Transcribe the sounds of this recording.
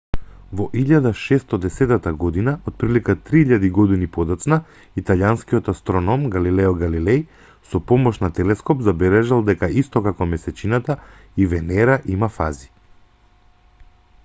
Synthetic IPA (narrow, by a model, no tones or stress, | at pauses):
vɔʔiʎad̪aʃɛst̪ɔd̪ɛsɛt̪at̪aɡɔd̪inaʔɔt̪̚pɾilikat̪ɾiiʎad̪iɡɔd̪inipɔd̪at̪sna | it̪aljanskiɔt̪ast̪ɾɔnɔmɡalilɛɔɡalilɛj | sɔpɔmɔʃnat̪ɛlɛskɔpzabɛlɛʒalˠd̪ɛkaist̪ɔkakɔmɛsɛt͡ʃinat̪a | ivɛnɛɾaʔimafa̰zi̥